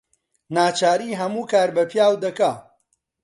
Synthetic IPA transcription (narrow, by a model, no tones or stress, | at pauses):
naːt͡ʃaːɾiːɦɐmuːkaːɾbɐpʰjaːwd̪ɐkaː